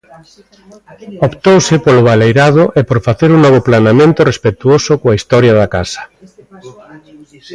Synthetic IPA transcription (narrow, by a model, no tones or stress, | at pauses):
opt̪owsɪpolʊβ̞alejɾaðʊʔepoɾfaθeɾuŋnɔβ̞oplanamẽnt̪ʊrespet̪uosokoaist̪ɔɾjaðaka̰sḁ